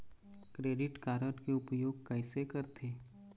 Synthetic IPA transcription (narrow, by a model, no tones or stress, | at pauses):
kɾeːɖɪʈkaːɾəʈkeʊpjoːɡkɐɪsekɐɾt̪ʰeː